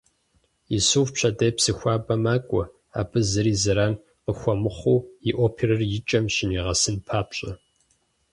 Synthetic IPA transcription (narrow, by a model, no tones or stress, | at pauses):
ɪsuːfpɕʰɐdɐjpsɨxʷaːbɐmaːkʷʼɔ | a̰ːbɨzɨɾiːzɨɾaːn | qəxʷɐmɨχʷuwiʔoːpʰeɾɐrjɪt͡ʃʼɐmɕɪniːʁɐsɨnpʰaːpɕʼɐ